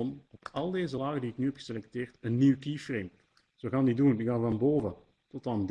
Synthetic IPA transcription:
nɔpɑlˠdeːzəlaːɣəndiɪknyːɦɛpxə̥selɛk̚teːrtənːiwkiːfrem | z̥oɣaːndidundiɣaːnvɑnboːvə | tɔtɑnd

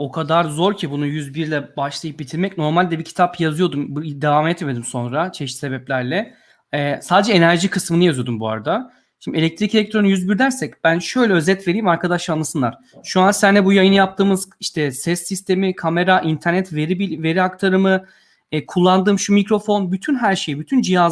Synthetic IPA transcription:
o̞kʰad̪aɾzo̞ɾcʰibunujyzbiɾlʲɛbaʃlˠajɯp̚bit̪ʰiɾmɛcno̞ɾmalʲd̪ɛbicʰi̥t̪ʰapjazɯjo̞d̪umbd̪evaːmɛt̪med̪imso̞nɾat͡ʃʰɛʃit̪se̞bɛplʲæɾlʲɛ | ɛːsaːd̪ed͡ʒɛenæɾʒikʰɯsmɯnɯjazyjo̞d̪umbua̰ɾad̪a | ʃimdʲielʲɛc̚t̪ʰɾicelʲɛc̚t̪ɾo̞nujyzbiɾd̪æɾsɛcb̥ænʃø̞jlʲɛø̞zɛt̪ve̞ɾiːmaɾkʰad̪aʃlanˠasɯnlˠaɾ̥ | ʃuansænd̪ɛbujajɯnjap̚t̪ʰɯːmɯz̥iʃt̪ʰɛsɛsːist̪ʰe̞mikʰame̞ɾaʔint̪ʰæɾnɛt̪veɾibive̞ɾiakt̪ʰaɾɯmɯ | kʰulˠːand̪ɯːmʃumikɾo̞fo̞nbyt̪ʰynɦæɾʃejbyt̪ʰynd͡ʒija

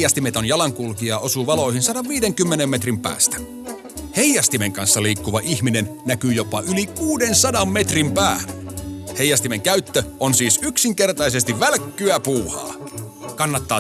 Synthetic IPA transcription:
jɑst̪imet̪onjɑlɑŋkulkiɑʔo̞suʋɑlo̞ihinsɑdɑʋʋiːdeŋkymːenemːet̪rimpæ̰ːst̪æ̥ | hejːɑst̪imeŋkɑnsːɑliːkːuʋɑʔihminenːækyjo̞pɑʔylikuːdensɑdɑmːe̞t̪rimpæː | hejːɑst̪imeŋkæyt̪ːøonsiːsyksiŋke̞rt̪ɑise̞st̪iʋʋælkːyæpuːhɑ̰ːkɑnːɑt̪ːɑː

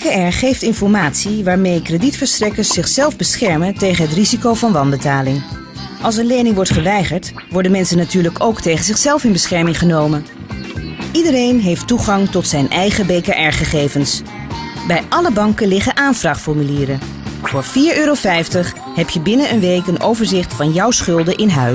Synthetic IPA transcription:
kaɛɹχejftɪnfɔɹmaːtsiʋaːɹmejkreditfəɹstrɛkəɹszɪχsɛlˠvbəsχɛɹməntejχənɦətrizikowvɑnʋɑnbətaːlɪŋ | ʔɑlˠs̬ənlejnɪŋʋɔɹtχəʋɛjχəɹt | ʋɔɹdənmɛnsənːatyːɹləkowktejχənzɪχsɛlˠfɪnbəsχɛɹmɪŋχənowmən | idəɾejnɦejftuχɑŋtɔtsɛjnʔɛjχəbejkaʔɛɹχəχejvəns | bɛjʔɑləbɑŋkəlɪχənʔaːnvraχtfɔɹmyliːɾə | vʊːɹviːɹøːɾofɛjftəχ | ɦɛpʰjəbɪnənənʋejkənʔowvəɹzɪχtfɑnjʌwsχɵlˠdəʔɪnɦœ

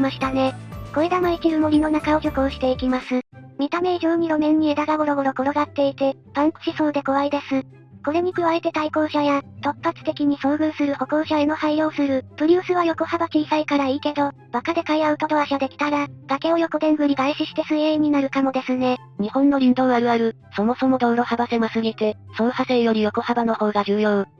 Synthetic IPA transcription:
maɕi̥t̪ane̞ko̞ed̪amaikʲiɾɯmo̞ɾʲino̞nakao̞ɡʲokoːɕi̥t̪e̞ikʲimasɨmʲit̪ame̞iʑoːɲ̟iɾo̞mẽ̞ɲ̟ːie̞d̪aɡaɡo̞ɾo̞ɡo̞ɾoko̞ɾo̞ɡat̪ːe̞it̪e̞pãnɕiso̞ːd̪e̞ko̞βaid̪e̞sɨ | ko̞ɾe̞ɲ̟ikɯ̟βae̞t̪e̞t̪aiko̞ːɕajat̪o̞pːat͡sɨ̥t̪e̞kʲiɲ̟iso̞ːɡɯ̟ːsɨɾɯ̟ho̞ko̞ːɕae̞no̞haio̞ːsɨɾɯ̟pɯ̟ɾʲɨːsɨβajo̞ko̞habakʲiːsaikaɾaiːke̞d̪o̞ | b̥akad̪e̞kaiaɯ̟t̪o̞d̪oaɕad̪e̞kʲi̥t̪aɡad̥̪ake̞o̞jo̞kɯ̟d̪ẽ̞ŋɡɯ̟ɲ̟iɡ̪aiɕiɕi̥t̪e̞sɨeːɲ̟ːinaɾɯ̟kamo̞d̪e̞sɨne̞ | ɲ̟ihõ̞nːo̞ɾʲĩnd̪o̞ːaɾɯ̟aɾɯ̟ | so̞mo̞so̞mo̞d̪o̞ɯɾo̞habase̞masɨɡit̪e̞ | so̞ːhase̞jo̞ɾʲijo̞ko̞habano̞ho̞ːɡad͡ʑɨːjo̞ː

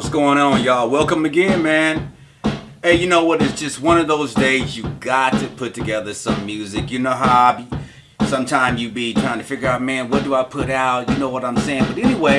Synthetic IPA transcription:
ʌtsɡ̥oʊɪ̃ŋə̃njəwɛlˠkɨ̃mɨɡɛ̃nmæ̃n | ɨjɨnoʊwʌɾɨsd̥ʒ̥ʌst̚wʌ̃nʌvðoʊzdeɪzjɨɡɑtʰɨpʰʊtʰɨɡɛðə˞sʌ̃mjʉzɨkjɨnoʊɦabi | sʌ̃mtʰãɪ̃mzjɨbitʰɹ̥aɪɪ̃ŋtʰɨfɪɡjə˞aʊt̚mæ̃nwʌt̚d̥əaɪpʰʊɾaʊt̚jɨnoʊwʌɾãɪ̃mseɪɪ̃ŋbʌɾɛñiweɪ

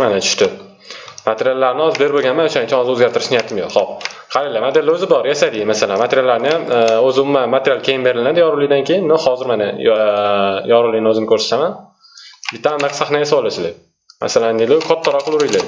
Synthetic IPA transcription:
manat͡ʃʰʊ̥ʃt̪ɪ | mat̪ʰeɾijalːaɾnɪɒzɪbe̞ɾboɡʲanmanʊʃaɪnt͡ʃʰaɒzɪɵzɡʲaɾt̪ʰɪɾɪʃnɪjat̪ʰɪmjo̰qχɒp̚χʰaɾelːamat̪elːaɵzɪbɒɾjasad̪ɪmasalanmat̪ʰeɾʲijalːaɾnɪjamozɪʊmːamat̪ʰeɾʲijalˠkʲʰe̞jɪnbe̞ɾɪlɪnad̪ɪjɒɾulɪd̪ankʲʰejɪnːohɒzɪɾmana | jɒɾʊlijnɪɵzɪnɪkʰɵɾse̥t̪aman | bɪt̪ːamamnaqsaχnajasabolˠasɪld̪e | ma̰salanilɪkʰɒt̪ʰːaɾɒqʊlˠʊɾʊjlaj

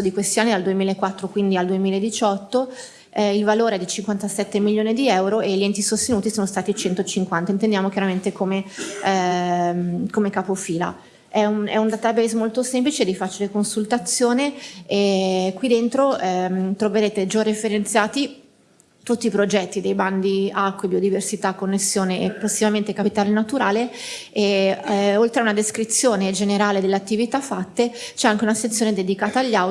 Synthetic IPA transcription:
od̪ikwest̪ianːid̪ald̪uemiːlaekwat̪ːɾokwind̪iald̪uemiːlaed̪it͡ʃɔt̪ːo | ilvaloːɾeɛd̪it͡ʃiŋkwant̪asɛt̪ːemiljoːnid̪iɛwɾoeʎːiɛnt̪isost̪enuːt̪isoːnost̪aːt̪it͡ʃɛnt̪ot͡ʃiŋkwant̪aint̪end̪jaːmokjaɾament̪ekome | mkomekapofiːla̰ | ɛunɛ̰und̪at̪abɛjzmolt̪osemplit͡ʃed̪ifat͡ʃilekonsult̪at̪sːjoːneekwid̪ent̪ɾoɛmt̪ɾoveɾeːt̪ed͡ʒɔrefeɾent̪sjaːt̪i | t̪ut̪ːiːpɾod͡ʒɛt̪ːid̪ejband̪iakːwebiod̪iversit̪akːonːesːjoːneepːosːivament̪ekapit̪aːlenat̪uɾaːlee | olt̪ɾeaunad̪eskɾit̪sːjoːned͡ʒeneɾaːled̪elːeat̪ːivit̪afːat̪ːet͡ʃɛaŋk̟eunaset̪sːjoːned̪ed̪ikaːt̪aːʎːa

